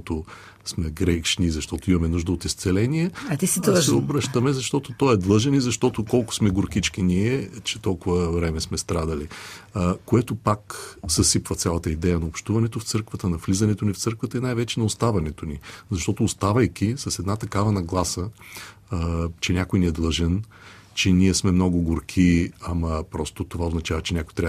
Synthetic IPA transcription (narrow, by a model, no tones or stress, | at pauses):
t̪ʊ | smɛɡɾɛʃnizɐʃt̪ɔt̪ʊimɐmɛnuʒd̪əot̪ist̪sɛlɛniɛiɛd̪ʒɛobɾəʃt̪əmɛzɐʃt̪ɔt̪ot̪ɔɛd̪lˠɤʒɛnizɐʃt̪ɔt̪okɔlˠkʊ̥smɛɡʊɾkit͡ʃk̟iniɛt͡ʃɛt̪ɔlˠkʊvəvɾɛmɛsmɛst̪ɾad̪ɐli | koɛt̪opakzɐsipvət̪sʲalˠɐt̪əid̪ɛjɐnɐopʃt̪uvɐnɛt̪oft̪sɤɾkvət̪ənɐflizɐnɛt̪onift̪sɤɾkvət̪əinajvɛt͡ʃɛnɐost̪avɐnɛt̪onizɐʃt̪ɔt̪ʊːst̪avɐjkʲisɐsɛd̪nat̪ɐkavɐnɐɡlˠasə | t͡ʃɛnʲakojniɛd̪lˠɤʒɛn | t͡ʃɛniɛsmɛmnɔɡʊɡʊɾkʰiɐmɐpɾɔst̪ot̪ovaoznɐt͡ʃavɐt͡ʃɛnʲakʊjt̪ɾʲa